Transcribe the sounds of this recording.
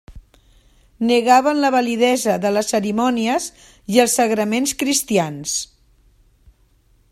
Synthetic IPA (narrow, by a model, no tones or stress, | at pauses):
nəɣaβ̞ənləβəliðɛzəðələsəɾimɔniəz | iəlˠsəɣɾəmenskɾist̪ians